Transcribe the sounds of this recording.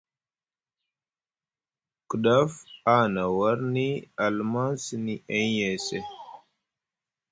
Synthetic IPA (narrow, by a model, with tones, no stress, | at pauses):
kə˨ɗa˦fa˦na˨wa˦ɾni˦a˨lma˦si˨ni˦ʔe˦je˨se˦˨